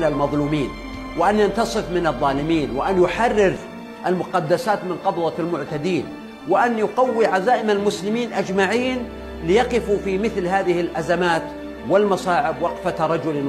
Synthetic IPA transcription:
lalmɑðˤluːmiːn | wɪʔanjant̪ɑsˤɨfmɪnɨðˤːɑːlɪmiːnwɪʔanjʊħɑrːɪɾ | ʔalmʊqɑd̪ːasaːt̪mɪnqɑbˤwɑlmʊʕt̪ad̪iːn | wɪʔanjʊqawːiʕazaːʔɪmalmʊslɪmiːnʔad͡ʒmaʕiːn | lɪjɑqɪfufimɪθlhaːðɪhɪlʔazamaːt̪ | wɪlmɑsɑːʕɪbwɑqfaɾˤɑd͡ʒʊl

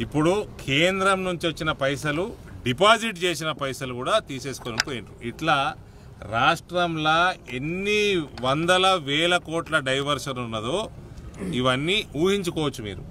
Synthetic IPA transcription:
ipːuɽukʰeːnd̪ɾɐmnuɲt͡ʃiʋɐt͡ʃːinɐpɐjsɐluɖipaːd͡ʒiʈt͡ʃe̞ːsinɐpɐjsɐlukuːɽaːt̪iːse̞ːsu̥konipoːjiɳʈuiʈlaː | ɾaːʂʈɾɐmlɐe̞nːiʋɐnd̪ɐlɐʋɛːlɐkoːʈlɐɖɐjʋɐɾʂɐnunːɐd̪oː | iʋɐnːiuːɦiɲt͡ʃukɔːʋɐt͡ʃːumḭːɾu

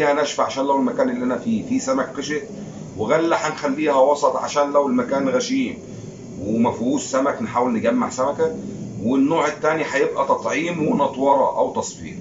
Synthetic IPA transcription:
hænæːʃfʕaʃæːnlæwelmækæːnʔelːiʔænæfiːfiːsæmækqeʃet̪ | weɣælːaħanxælːiːhæwɑsˤɑt̪ˤʕa̰ʃæːnlæwelmækæːnɣæʃiːm | wemæfuːssæmæknħaːwelneɡæmːaʕsæmækæwenːoːʕet̪ːæːniħajebʔæt̪ˤɑt̪ˤʕiːmwenɑt̪ˤwɑɾˤɑ̰ʔæwt̪ɑsˤfḭːɾ

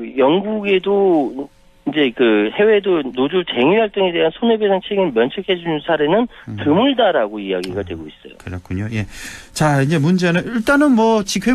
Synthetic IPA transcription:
jʌŋɡuɡe̞do | ind͡ʑe̞kɯhe̞we̞donod͡ʑut͡ɕe̞ŋɥiɦaɭt͈ɯŋe̞deɦansʰonebesʰaŋt͡ɕʰeɡinmjʌnt͡ɕʰekʰe̞d͡ʑunɯnsʰaɾe̞nɯntɯmuɭdaɾaɡoijaɡiɡadwe̞̰ɡois͈ʌ̰jo̰kɯɾʌk͈ʰuɲoje̞t͡ɕaind͡ʑe̞mund͡ʑenɯniɭt͈anɯnmwʌt͡ɕikʰe

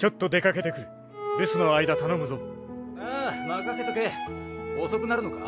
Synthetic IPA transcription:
t͡ɕo̞t̪ːo̞d̪e̞kake̞t̪e̞kɯ̟ɾɯ̟ | d̪esɨno̞aid̪at̪ano̞mɯ̟zo̞amakaset̪oke | oso̞kɯnaɾɯ̟noka̰

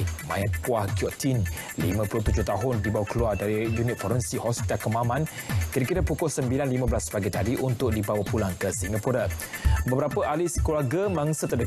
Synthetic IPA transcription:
mã̰jat̪̚kuahkiɔʔt̪in | lḭmãpulʊht̪ud͡ʒʊht̪aɦʊndibawakəluardaɾijunɪt̪fɔɾənsihɔspit̪akəmãmãnkiɾakiɾapukʊlsəmbilanlimãbəlasəpaɡit̪adiʔunt̪ʊk̚dibawapulaŋkəsiŋɡapuɾabəbəɾapəʔaliskluarɡəmaŋsət̪ərdə

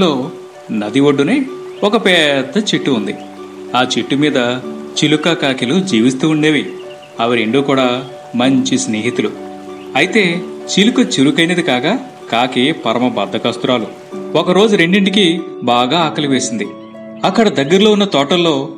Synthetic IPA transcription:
loː | nɐd̪iʋoɖːuneː | ɔkɐpɛːd̪ːɐt͡ʃiʈːuund̪i | aːt͡ʃiʈːumiːd̪ɐt͡ʃilukakaːkilud͡ʒiːʋist̪uːuɳɖeːʋi | ɐʋɐɾeɳɖuːkuːɽaː | mɐɲt͡ʃisneːɦit̪ulu | ɐjit̪e̞ːt͡ʃilukɐt͡ʃiɾukɐjnɐd̪ikaːkaː | kaːkepɐɾɐmɐbɐd̪ʱːɐkɐst̪uɾaːlu | okɐɾo̞ːd͡ʒuɾe̞ɳɖiɳɖikibaːɡaːaːkɐliʋe̞ːsind̪i | ɐkːɐɽɐd̪ɐɡːɐɾlo̞ːunːɐt̪ɔːʈɐlːo̞ː

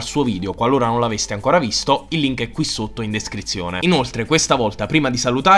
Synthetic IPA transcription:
lsuːoviːd̪eokwalːoːɾanonlavest̪iaŋkoːɾavist̪oilːiŋkɛkːwisːot̪ːoind̪eskɾit̪sːjoːnḛinolt̪ɾekwest̪avɔlt̪apɾiːmad̪isalut̪aː

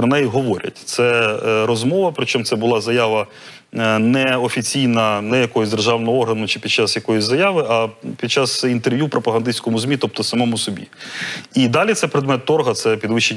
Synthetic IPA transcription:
ɾɔnɛjiɦɔʋɔɾʲɐ̰tʲt̪sɛɾɔzmɔʋɐpɾɪt͡ʃɔmt̪ɛbʊlˠɑzɐjaʋɐ | nɛɔfʲit͡sʲijnɐnɛjɐkɔjɔzʲd̪erʒɑʋnɔɦɔɔrɦɐnʊt͡ʃɪpʲid̪t͡ʃɑsjɐkɔjʊsʲzɐjɑʋɪʔɐpʲid̪t͡ʃːɑz̥int̪erʋjupɾʔɔpɐɦɐnd̪ɪsʲkɔmʊzmʲit̪ɔp̚t̪ɔsɐmɔmʊsɔbʲḭid̪ɑlʲit̪sɛpɾed̪mɛt̪ːɔrɦɐt̪sɛpʲid̪ʋɪʃt͡ʃe

